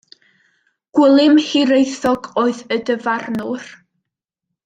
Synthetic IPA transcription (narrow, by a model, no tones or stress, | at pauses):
ɡ̥wɪlˠɪmhiɾejθɔɡoːɨðədəvarnʊr